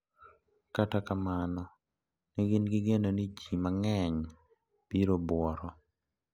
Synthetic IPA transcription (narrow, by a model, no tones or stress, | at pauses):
katakamanɔ | niɡɪnɡɪɡenonid͡ʒimaŋɛɲ | b̥iɾobwɔɾɔ